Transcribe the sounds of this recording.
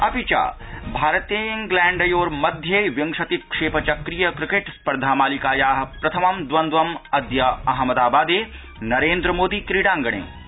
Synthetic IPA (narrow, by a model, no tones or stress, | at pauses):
ɐpit͡ʃa̰ːbʱaːɾɐt̪eɪ̃ŋɡlɛ̃ːɳɖɐjoːɾmɐd̪ʱjeʋjɐ̃ŋʂɐt̪ikʂeːpɐt͡ʃɐkɾijɐkɾɪkeʈspɐɾd̪ʱaːmaːlikaːjaːɦɐpɾɐt̪ʰɐmɐmd̪ʋɐnd̪ʋɐmɐd̪jɐɐɦmɐd̪aːbaːd̪eː | nɐɾeːnd̪ɾəmoːd̪iːkɾiɽãːŋɡɐɽ̃ḛː